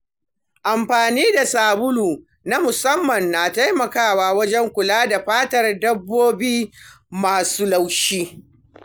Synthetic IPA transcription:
ʔa˨mɸaː˨niː˦da˨saː˨bʊ˦luː˨ | na˦mʊ˨sɐ˦mːɐ˨nːaː˨ta˦jmɐ˨kaː˦˨waː˦wɐ˦d͡ʒɛ˦ŋkʷʊ˨laː˦da˨ɸaː˦tɐ˨rdɐ˦bːoː˦biː˦ | maː˨suː˦la˦wʃiː˦

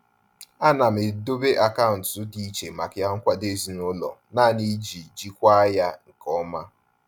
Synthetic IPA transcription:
a˦na˨m̩e˨do˦be˦ʔa˨ka˦ʊ˨n̩˨tʊ˦di˦i˦t͡ʃe˨ma˨kja˦ŋ̩˦kʷa˨de˦˨zi˨nʊ˦lɔ̰˨na˦˨ni˦d͡ʒi˨d͡ʒi˦kʷa˦ja˦ŋ̩˨kɔ˦ma˦

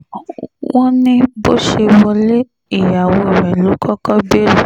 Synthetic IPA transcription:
w̃ɔ̃˦nĩ˦bo˦ʃe˧wɔ˧le˦ | i˨ja˨wo˧i˨ɾɛ˨lo˨˦kʰɔ˦kɔ˦bi˦e˦lu˨

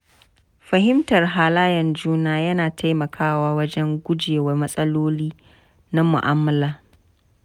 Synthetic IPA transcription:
ɸɐ˨ɦɪ˦mtɐ˨rɦaː˨laː˦jɐ˨nd͡ʒuː˦naː˦jɐ˦naː˨tʰa˦jmɐ˨kʰaː˦waː˦wɐ˦d͡ʒɛ˦ŋɡʷʊ˦d͡ʒeː˨wɐ˦rmɐ˦sʼɐ˦loː˦liː˦ | na˦mʊ˨ʔaː˦mːɐ˨laː˦˨

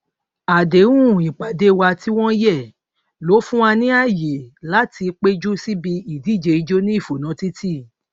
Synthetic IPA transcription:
a˨de˨˦wũ˦˨i˨k͡pa˨de˨˦˧wa˧ti˦w̃ɔ̃˦jɛ˦˨ | lo˨˦fũ˦a˧nĩ˦a˦˨je˨la˨˦ti˧k͡pe˦d͡ʒu˦si˦bi˧i˨di˨˦˨d͡ʒe˧i˧d͡ʒo˦nĩ˦i˦˨fo˨nã˨˦ti˦tʰi˦

